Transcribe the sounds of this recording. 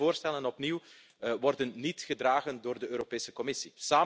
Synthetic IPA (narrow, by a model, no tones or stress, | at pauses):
oːrstɛlənɔpniw | ʋɔrdənːitχədraːɣəndoːrdəøːɾopeːsə̥kɔmɪsisaː